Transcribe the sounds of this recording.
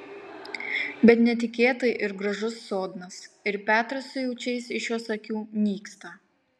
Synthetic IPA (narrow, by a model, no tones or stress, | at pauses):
bʲɛt̪nʲɛt̪ʲɪkʲeːt̪ɐɪʔɪɾɡɾɐʒʊsːoːd̪nɐsɪɾpʲæːt̪ɾɐsːʊjɛʊt͡ʃʲɛɪsɪʃjoːsɐkʲuːnʲiːkst̪ɐ